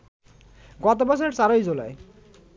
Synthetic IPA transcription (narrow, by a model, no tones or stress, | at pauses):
ɡɔt̪̬obɔt͡ɕʰoɾeɾt͡ɕaɾojd͡ʑolae